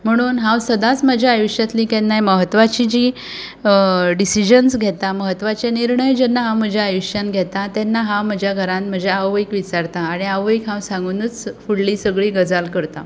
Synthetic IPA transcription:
m̤əɽ̃uːnɦãwsəd̪at͡sməd͡ʑʱaajuɕjat̪liːkɛnːajməɦət̪ːʋat͡ɕid͡ʑiː | ɖisid͡ʑənsɡʱɛt̪aməɦət̪ːʋat͡ɕeniɾɳəjd͡ʑɛnːaɦãm̤əd͡ʑʱjaajuɕjanɡʱɛt̪at̪ɛnːaɦam̤əd͡ʑʱjaɡʱəɾãnt̪m̤əd͡ʑʱeaʋʋəjkʋit͡saɾt̪aːɽ̃iaʋəkɦãwsãŋɡunət͡sfuɽliːsəɡɭiːɡəd͡zalkəɾt̪a̰

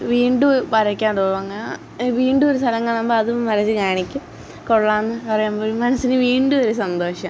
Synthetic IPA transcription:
ʋiːɳɖupɐɾɐkʲːaːɳɖuoːʋɐŋːɐ | ʋiːɳɖuo̞ɾust̪ʰɐlɐŋːaːɳɐmboːɐðumːɐɾɐt͡ɕːɨɲaːɳikʲːum | koɭːaːnːɨpɐrɐjumboːlmːɐnɐsːinɨʋiːɳɖuoɾusɐnd̪o̞ːʂɐm

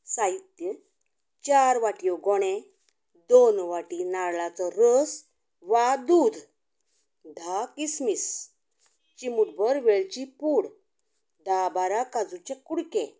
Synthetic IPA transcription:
sait̪ːjə | t͡ɕaɾʋaʈijɔɡɔɽ̃ẽ | d̪onʋaʈinaɽlat͡sɔɾəs | ʋad̪uːd̪ʱ | d̪ʱakismis | t͡ɕimuɽbəɾʋeɭt͡ɕipuɽ | d̪abaɾakad͡zut͡ɕẽkuɽkẽ

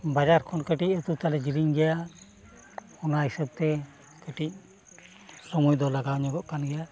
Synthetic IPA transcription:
bad͡ʒaɾkʰɔnkəʈic̚ˀət̪ut̪alɛd͡ʒiɾiŋɡɛja | ɔnaɦisəb̚t̪ɛ | kəʈic̚ | sɔmujd̪ɔlaɡawɲɔɡɔʔkanɡɛja

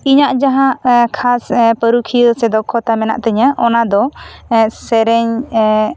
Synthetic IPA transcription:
iɲaʔd͡ʒaɦãkʰaspəɾukʰijəsɛd̪ɔkʰːɔt̪amɛna̰ʔt̪ɛɲaʔɔnad̪ɔ | sɛɾɛɲ

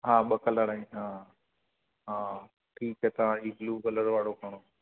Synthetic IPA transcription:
ɦaːɓəkələɽaːĩɦaː | ɦaː | ʈʰiːkɦɛːt̪ɐʋãːiːɡluːkələɾʋaːɽokʰəɽ̃oː

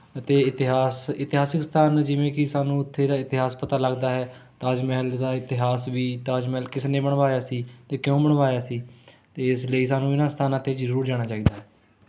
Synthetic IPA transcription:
ət̪eːɪt̪ɪɦaːsɪt̪ɪɦaːsɪkst̪ʰaːnd͡ʒɪʋẽːkɪsaːnũːɪt̪ʰːeːd̪aːɪt̪ɪɦaːspət̪aːləɡd̪aːɦɛːt̪aːd͡ʒmɛːld̪aːɪt̪ɪɦaːsʋiːt̪aːd͡ʒmɛːlkɪsnẽːbəɳʋaːjaːsiːt̪eːkɪjõːbəɳʋaːjaːsiː | t̪eːɪsləːiːs̬aːnũːɪnãːst̪ʰaːnãːt̪eːd͡ʒzəɾuːɾd͡ʒaːɽ̃aːt͡ʃaːiːd̪aːɦɛː

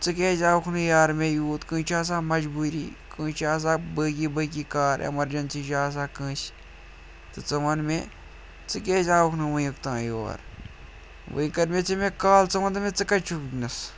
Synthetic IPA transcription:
t͡sɨkeːzaːkʰnɨjaːɾmẽːjuːt̪kɨ̃ːt͡ʃʰaːs̬aːmɐd͡ʒbuːɾḭːkɨ̃ːt͡ʃʰaːs̬aːbəːkibək̬iːkaːɾḛmɐɾd͡ʒɐnsiːd͡ʒaːs̬aːkɨ̃ːt͡ʃ | t̪ɨt͡sɐʋɐnme | t͡sɨkeːzʲaːkʰnɨʋɨɨkt̪ãːjo̰ɾ | ʋɨ̰ĩkɐɾmet͡sʰimẽkaːlt͡sɐʋɐnt̪ɨmẽt͡sɨkɐt͡ʃʰuknɨs

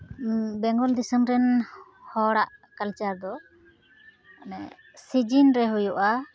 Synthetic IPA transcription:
bɛŋɡɔld̪isəmɾɛnhɔɽaʔkalt͡ʃaɾd̪ɔ | sid͡ʒinɾɛɦujuʔa

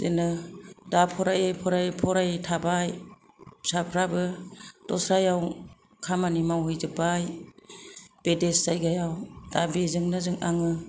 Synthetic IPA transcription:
zenɯdapʰɔɾajepʰɔɾajpʰɔɾajtʰabaj | sapʰɾabɯd̥ɔsɾajaw | kʰamanimawɦɯjzɯbaj | b̥edeszajɡajawd̥abezɯŋnɯzɯŋaŋɯ

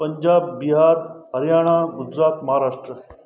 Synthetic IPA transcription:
pəɲd͡ʑabːiɦaɾɦəɾjaɽ̃aɡud͡ʒɾat̪mɐɦaɾaʂʈɾə

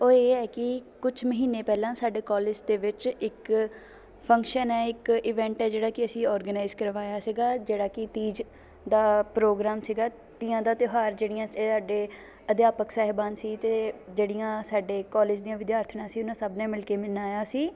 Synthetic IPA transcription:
oːeːɛːkɪkʊt͡ʃʰməɦiːneːpɛːlãːsaːɖeːkɔːlɪːd͡ʒd̪eːʋɪt͡ʃɪk | pʰəŋkʃənɛːɪkɪːʋɛ̃ːɳʈɛːd͡ʒeːɽaːkɪəsĩːɔːɾɡənaːɪzkəɾʋaːjaːsiːɡaːd͡ʒeːɽaːkɪt̪iːd͡ʒ | d̪aːpɾoːɡɾaːmsiɡaː | t̪ɪjãːd̪aːt̪joɦaːɾd͡ʒeːɽɪjãːesaːɖeː | əd̪jaːpəksaːɦɪbaːnsiːt̪eːd͡ʒeːɽɪjãːsaːɖeːkɔːleːd͡ʒd̪ijãːʋɪd̪jaːɾt̪ʰnãːsiːʊnãːsəbnɛ̃ːmɪlkeːmɪnaːjaːsiː

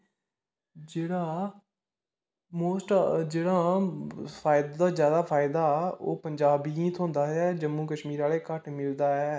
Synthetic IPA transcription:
d͡ʒeːɽaː | moːsʈd͡ʒeːɽaː | pʰaːɪd̪ad̪aːzjaːd̪aːpʰaːɪd̪aːɛo̰ːpəɲd͡ʒaːbĩːt̪ʰõːnd̪aːɛːd͡ʒəmːũːkəʃmiːɾaːleːkəʈmɪld̪aːɛː

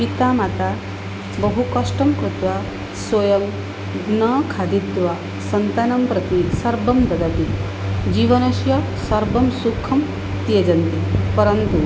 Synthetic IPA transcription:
pit̪aːmat̪a | bɐɦukɐʂʈɐmkɾut̪ʋa | swɐjɐm | ɡnɐːkʰaːd̪it̪ʋa | sɐnt̪ɐnɐmpɾɐt̪isɐɾbɐmd̪ɐd̪ɐpit̪ | d͡ʒiːʋɐnɐʃjɐ | sɐɾbɐmsukʰɐm | t̪ijɐd͡ʒɐnt̪ipɐɾɐnt̪u

